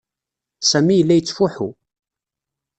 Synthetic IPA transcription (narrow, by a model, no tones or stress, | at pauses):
sæmijəlːæjət͡sːfuħu